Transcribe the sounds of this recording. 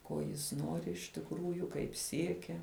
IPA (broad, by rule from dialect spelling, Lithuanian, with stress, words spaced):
ˈkoː jɪs ˈnoːrʲɪ ɪʃ tʲɪkˈruːjʊ kɐɪp ˈsʲiɛkʲɛ